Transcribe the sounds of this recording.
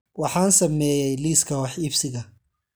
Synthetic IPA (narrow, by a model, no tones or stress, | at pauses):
wɑħɑːnsɐmɛːjɛjliːskʰɐwɑħifsɪɣɐ